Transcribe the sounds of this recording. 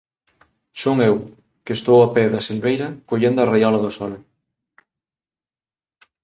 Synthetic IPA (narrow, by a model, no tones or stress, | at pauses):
soŋew | kest̪owapɛðɐselβejɾɐkoʎend̪oʊarejalɐðosɔl